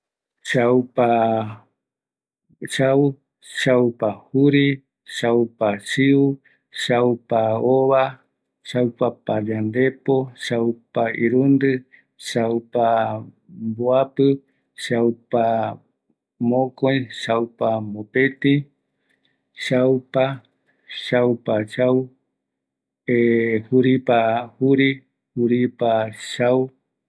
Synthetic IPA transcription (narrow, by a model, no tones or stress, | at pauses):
ʃawpa | ʃaw | ʃawpahuɾi | ʃawpasiu | ʃawpaoβa | ʃawpapaʎand̪epoʃawpaiɾund̪ɨ | ʃawpa | mboapɨ | ʃawpa | mõkoiʃawpamopet̪ĩ | ʃawpa | ʃawpaʃaw | ehuɾipahuɾi | huɾipaʃaw